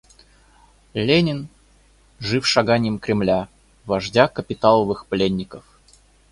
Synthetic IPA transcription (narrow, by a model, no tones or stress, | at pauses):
lʲenʲɪn | ʐɨfʂɐɡanʲɪjəmkɾʲɪmlʲa | vɐʐdʲakəpʲɪt̪alˠəvɨxplʲenʲːɪkəf